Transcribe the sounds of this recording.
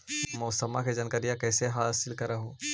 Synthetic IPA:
mɔːsəmaked͡ʒɐnkəɾijãkɛːseɦaːsɪlkɐɾɐɦo

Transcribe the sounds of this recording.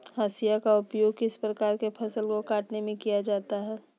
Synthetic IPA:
ɦaːsijakaʊpjoːɡkɪspɾəkaːɾkepʰɐsəlkokaːʈnemẽkijad͡ʒaːt̪aɦɛː

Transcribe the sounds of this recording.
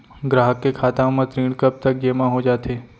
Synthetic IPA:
ɡɾaːɦəkːekʰaːt̪ãmãt̪ɾĩːɽkəp̚t̪ək̚d͡ʒemãɦod͡ʒat̪ʰe

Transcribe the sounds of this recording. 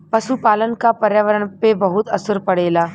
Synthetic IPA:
pɐʃupaːlənkapɐɾjaːʋəɾəɳpebɐɦʊt̪ɐsəɾpɐɽeːlaː

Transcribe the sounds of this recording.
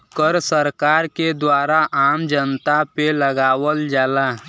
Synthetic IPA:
kəɾsəɾkaɾked̪waːɾaʔaːmd͡ʒənt̪apeləɡaːwəld͡ʒaːla

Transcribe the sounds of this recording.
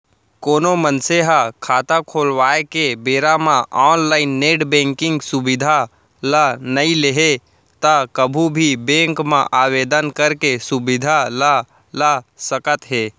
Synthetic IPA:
koːnomənseɦakʰaːt̪ãkʰoːlwaːekebeɾamãʔɔːnlaːɪnːeːʈbẽːŋkɪ̃ŋɡsubid̪ʱa | lanəileɦe | t̪akəbʱubʱibẽːŋkmã̰ʔaːweːd̪ənkəɾkesubɪd̪ʱala | lasəkət̪ɦeː

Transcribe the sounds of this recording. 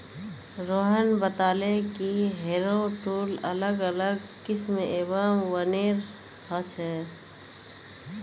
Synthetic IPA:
ɾoːɦənbət̪aːlekiɦeːɾoʈuːlələɡələɡkɪsmeʔeːbəmʋəneːɾ | hət͡ʃʰɦɛ

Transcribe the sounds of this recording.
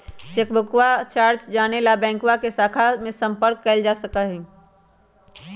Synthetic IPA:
t͡ʃeːkbʱəkwat͡ʃaːɾt͡ʃd͡ʒaːnelabɛ̃ːŋkwakesaːkʰamẽsə̃mpəɾkːəld͡ʒaːsəkəɦɛ̃ː

